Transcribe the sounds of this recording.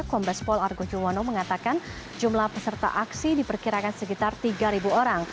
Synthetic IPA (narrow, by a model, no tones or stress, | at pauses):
kɔmbɛspɔlarɡod͡ʒuwanoməŋat̪akan | d͡ʒumlahpəsərt̪a̰ʔaksidipərkiɾakansəkit̪art̪iɡaɾibuoɾaŋ